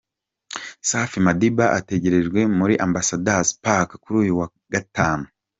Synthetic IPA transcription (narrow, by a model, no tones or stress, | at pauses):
saːfimadibaʔa̰te̞ɟe̞ɾe̞d͡ʒɡwe̞muɾiʔambasadazpakḁkuɾuːjuwa | ɡ̥ataːnu